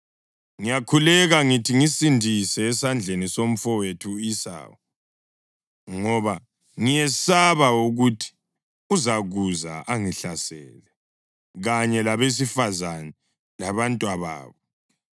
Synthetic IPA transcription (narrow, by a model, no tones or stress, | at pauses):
ŋijakʰulɛɣaŋitʰiŋisindʱisɛːsand͡ɮʱenisom̩fɔwetʰuisa̰ːwɔ | ŋɔβa | ŋijɛsaβauɣutʰi̥ | uzaɣuza̰ʔaŋiɬasɛːlɛ | ɣaɲɛlaβes̬ifazanɛ | laβantʼwaβa̰ːβɔ